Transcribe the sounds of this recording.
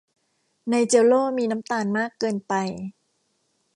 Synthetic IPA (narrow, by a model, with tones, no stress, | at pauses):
na˧jt͡ɕe˧wloː˥˩miː˧na˦˥mt̪aː˧nmaː˥˩kːɤː˧npa˧j